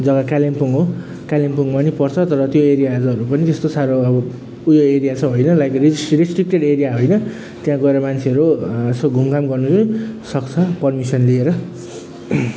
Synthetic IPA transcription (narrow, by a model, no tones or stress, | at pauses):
d͡zʌɡakalempuŋɦo | kalempuŋɡmʌnipʌrt͡sʰʌt̪ʌɾʌt̪joeɾijad͡zɦʌɾupʌnit̪est̪osaɾoʌbʌ | ujoeɾijat͡sʰʌ̃ɦojnʌlajkrisrisʈrik̚ʈeɽeɾijaɦojnʌ | t̪jãɡʌeɾʌmant͡sʰeʌɾuesoɡʱumkamɡʌrnut͡sʌsʌk̚t͡sʰʌpʌrmisʌnlieɾʌ